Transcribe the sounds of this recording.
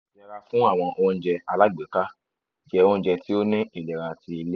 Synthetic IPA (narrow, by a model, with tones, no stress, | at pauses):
lɛ˨ɾa˧fũ˦a˦˨w̃ɔ̃˧ʔo˧ñ̩˦d͡ʒɛ˧a˧la˦˨ɡ͡be˨ka˦ | d͡ʒɛ˧o˧ñ̩˦d͡ʒɛ˧ti˦o˦nĩ˦i˦˨lɛ˨ɾa˨ti˧i˧le˦